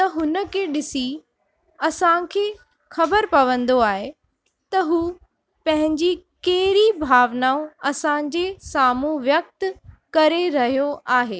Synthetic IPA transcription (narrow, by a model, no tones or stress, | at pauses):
t̪ɐɦʊnə̆kʰeːɗɪsi | ɐsãkʰeː | xɐbəɾpɐʋə̃nd̪oaːɦe | t̪ɐɦuː | pɐ̃ɦɪ̃ɲd͡ʑikeɦɾibʱaːʋnaõɐsãd͡ʑeːsaːmuʋjɐk̚t̪ | kɐɾeɾɐɦijoʔaːɦeː